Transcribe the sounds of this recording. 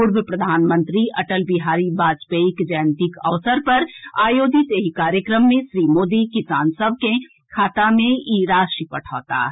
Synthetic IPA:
pʊɾbəpɾɐd̪ʱaːnmə̃nt̪ɾiʔɐʈəlbiɦaːɾibaːd͡ʒpeikd͡ʒəjnt̪ikɐ̰ʋsəɾpɐɾaːjoːd͡ʒɪt̪eɦikaːɾjəkɾəmːẽʃɾiːmoːd̪ikɪsaːnsəb̚ʱkẽ | kʰaːt̪amẽiɾaːʃipɐʈʰa̰ːt̪a̰ː

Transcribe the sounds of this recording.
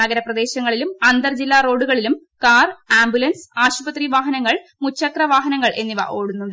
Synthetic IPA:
ɐɡɐɾɐprɐd̪e̞ːɕɐŋːɐɭilumɐnd̪ɐrd͡ʑilːaːro̞ːɽuɣɐɭilum | kaːraːmbjulɐnsaːɕubɐt̪riʋaːɦɐnɐŋːɐɭmut͡ɕt͡ɕʰːɐkrɐʋaːɦɐnɐŋːɐɭʔe̞̰nːiʋɐ̰ʔo̞ːɽunːum

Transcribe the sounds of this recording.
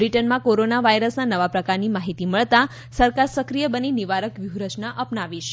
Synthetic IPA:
bɾiʈənmãkoɾonaʋaiɾəsnanəʋapɾəkaɾnimaɦit̪iməɭt̪a | səɾkaɾsəkɾijəbəniniʋaɾəkʋjuɦɾət͡ʃnaʔəpnaʋiʃ

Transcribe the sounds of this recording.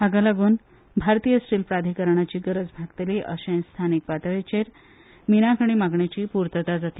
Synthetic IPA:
aɡalaɡuːn | bʱaɾt̪ijəsʈiːlpɾad̪ʱikəɾɳ̃at͡ɕiːɡəɾəd͡zbʱaɡt̪eliʔəɕẽj̃st̪ʰanik̚pat̪ɭet͡ɕeɾ | minakʰəɳ̃imaɡɳet͡ɕiːpuɾt̪ət̪ad͡zat̪iː

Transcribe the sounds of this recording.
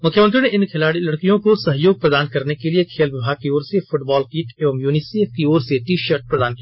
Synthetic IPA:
mʊkʰjəmə̃nt̪̬ɾineʔɪnkʰɪlaːɽilɐɽkijõkosɐɦjoːɡ̚pɾɐd̪aːnkɐɾnekeliekʰeːlʋɪbʱaːɡ̚kioːɾsefʰʊʈbɔːlkiːʈeːʋəmjuːnɪseːfkioːɾseʈiʃɐɾʈ̚pɾɐd̪aːnkia

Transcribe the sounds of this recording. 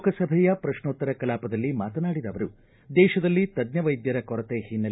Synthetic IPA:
kɐsɐbʱɛjɐpɾɐʃɳoːt̪ːɐɾɐkɐlaːpɐd̪ɐlːimaːt̪ɐnaːɽid̪ɐʋɐɾu | d̪ɛːʃɐd̪ɐlːit̪ɐd̪ɲɐʋɐjd̪jɐɾɐkɔɾɐt̪eːhinːɐ

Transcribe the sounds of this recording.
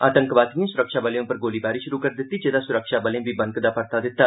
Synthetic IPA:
aːt̪ə̃ŋkʋaːt̪ijẽːsʊɾəkʃaːbəlejõpəɾɡoːliːbaːɾiːʃʊɾuːkəɾd̪ɪt̪ːiːd͡ʒeːd̪aːsʊɾəkʃaːbəlẽbiːbəŋkd̪aːpəɾt̪aːd̪ɪt̪ːaː

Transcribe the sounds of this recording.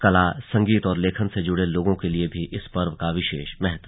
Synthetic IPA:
kɐlasɐ̃ŋɡiːt̪ɔːɾleːkʰənsed͡ʒʊɽeloːɡõkeliebʱiʔɪspɐɾʋkaʋɪʃeːʃmɛɦət̪w

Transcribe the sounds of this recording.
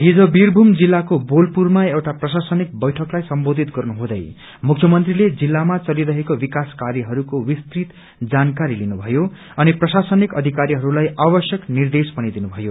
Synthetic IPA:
ɦid͡zobirbʱumd͡zilːakobolpurmaewʈaprʌsasʌnik̚bʌjʈʰʌklajsʌmbod̪ʱit̪ɡʌrnuɦũd̪ʌ̰j | mukʰjʌmʌnt̪riled͡zilːamat͡sʌliɾʌɦekobikaskaɾjiɦʌɾukowist̪rit̪ | d͡zankaɾilinubʱʌjo | ʌniprʌsasʌnikʌd̪ʱikaɾiɦʌɾulajʔabʌsjʌknird̪espʌnid̪inubʱʌjo

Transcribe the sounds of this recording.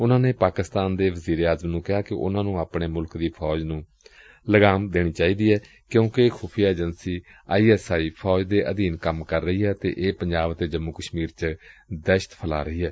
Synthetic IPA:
ʊnãːneːpaːkɪst̪aːnd̪eːʋəziːɾeːaːzəmnũːkɪɦaːkɪʔʊ̰nãːnũːaːpɳeːmʊlkd̪iːpʰɔːd͡ʒnũː | ləɡaːmd̪eːɽ̃iːt͡ʃaːiːd̪iːɦɛː | kjõːkekʰuːpʰijaːeːd͡ʒənsiː | aːiːɛːsaːiːpʰɔːd͡ʒd̪eːʔəd̪iːnkəmkəɾːəɦiːɦɛːt̪ḛːʔeːpəɲd͡ʒaːbt̪eːd͡ʒəmːuːkəʃmiːɾt͡ʃəd̪ɛʃə̥t̪pʰəla̰ːɾəɦiːɦɛː

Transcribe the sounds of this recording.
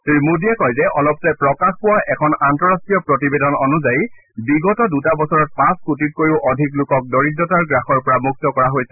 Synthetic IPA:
teɹimudijakɔjzɛʔɔlɔpzɛpɹɔkaxpʊwaʔɛkʰɔnantɔɹastɹijɔpɹɔtibedɔnɔnuzaji | biɡɔtɔdutabɔsɔɹɔt̚pãskutit̚koɹiʊʔɔdʱiklʊkɔk̚dɔɹidːɔtaɹɡɹaxɔɹpɔɹamuk̚tɔkɔɹaɦojsɛ̥

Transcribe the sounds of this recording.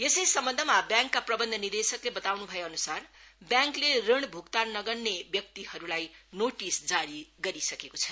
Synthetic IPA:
esʌjsʌmbʌnd̪ʱʌmabjãŋkːaprʌbʌnd̪ʱʌnird̪esʌklebʌt̪awnubʱʌjeʌnusarbjãŋklerʌɽ̃bʱukt̪annʌɡʌrnebjʌk̚t̪ihʌɾulajnoʈisd͡zaɽiɡʌɾisʌkekot͡sʰʌ

